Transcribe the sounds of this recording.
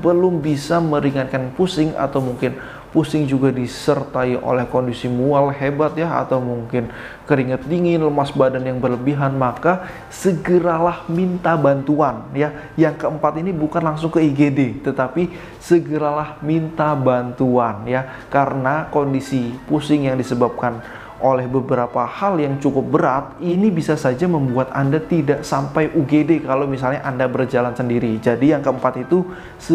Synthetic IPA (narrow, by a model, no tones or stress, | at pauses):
bəlʊmbisaməɾiŋat̪̚kanpusɪŋa̰t̪awmuŋkɪn | pusɪŋd͡ʒuɡadisərt̪aiʔo̰lɛhkondisimualɦebat̪̚jaa̰t̪awmuŋkɪn | kəɾiŋət̪̚diŋɪnləmasbadanjaŋbərləbiɦanmaka | səɡəɾalahmint̪abant̪uanja | jaŋkəəmpat̪inibukanlaŋsʊŋkəiɡedet̪ət̪api | səɡəɾalahmint̪abant̪uanja | kaɾənakondisipusɪŋjaŋdisəbap̚kan | ʔolɛhbəbəɾapahaljaŋt͡ʃukʊp̚bəɾat̪̚inibisasad͡ʒaməmbuat̪a̰ndat̪idaʔsampajʔuɡedekalomis̬alɲaʔandabərd͡ʒalansəndiɾid͡ʒadijaŋkəəmpat̪it̪u | sə